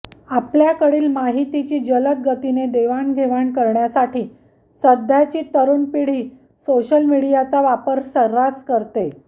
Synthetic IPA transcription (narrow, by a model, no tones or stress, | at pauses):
apljakəɽiːlmaɦit̪it͡ɕiːd͡ʑələk̚ɡət̪ined̪eʋaɳɡʱeʋaɳkəɾɳjasaʈiː | səd̪ʱjat͡ɕiːt̪əɾuːnpiɽ̤iː | soɕəlmiɽijat͡saʋapəɾsəɾːaskəɾt̪e